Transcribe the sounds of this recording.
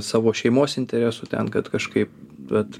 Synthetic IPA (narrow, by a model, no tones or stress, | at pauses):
sɑːʋoːʃʲɛɪmoːsɪnʲt̪ʲɛɾʲæsʊt̪ʲɛ̰nkɐt̪kɐʃkɐɪp̚ʋʲɛt̪